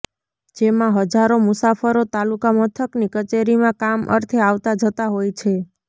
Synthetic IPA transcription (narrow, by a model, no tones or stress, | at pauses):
d͡ʒemãɦəd͡ʒaɾomʊsafəɾot̪alukamət̪ʰəknikət͡ʃeɾimãkamʔə̰ɾt̪ʰeaʋt̪ad͡ʒət̪aɦojt͡ʃʰe